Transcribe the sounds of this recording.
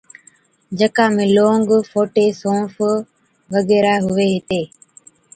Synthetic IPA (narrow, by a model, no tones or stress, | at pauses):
d͡ʒəkãːmẽːloːŋɡfoːʈeːsõːf | ʋəɡeːɾaːɦʊʋeːɦɪt̪eː